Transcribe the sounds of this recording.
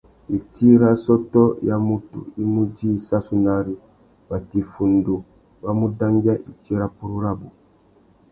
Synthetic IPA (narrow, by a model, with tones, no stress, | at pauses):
i˨t͡ʃi˦ɾa˦sɔ˦tɔ˦ja˦mu˦tṵ˨i˦mu˦d͡ʒi˦˨sa˦su˦na˦ɾi˦ | ba˨ti˨fu˨ndo˨ | ba˦mu˦da˦ŋɡa˦ʔi˨ti˦ɾa˦pu˦ɾu˦ɾa˦bu˨